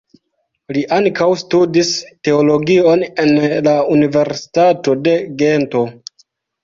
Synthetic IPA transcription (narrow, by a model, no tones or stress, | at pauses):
liʔaŋkawstudiste̞o̞lo̞ɡio̞ne̞nlaunive̞ɾsi̥tato̞de̞ɡe̞nto̞